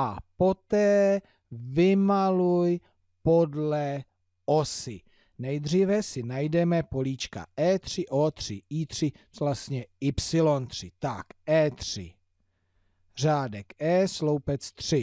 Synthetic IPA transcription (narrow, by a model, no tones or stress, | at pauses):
ʔapo̞t̪ɛː | vɪmaluj | po̞dlɛ | ʔo̞sɪ | nɛjd̪r̝ivɛsɪnajdɛmɛpo̞liːt͡ʃka̰ʔɛːt̪r̝̥ɪʔoːt̪r̝̥ɪ̰ʔiːt̪r̥ɪ | last̪ɲɛɪpsɪlont̪r̥ɪt̪akʔɛːt̪r̥ɪ̰ | r̝aːdɛkɛːslowpɛt͡st̪r̝̥ɪ